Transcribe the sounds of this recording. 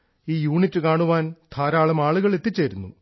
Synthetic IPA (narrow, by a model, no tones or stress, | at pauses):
iːjuːɳitːɨkaːɳuʋaːnt̪ʰaːɾaːɭɐmaːɭuɣɐɭe̞t̪ːit͡ɕːeːɾunːṵ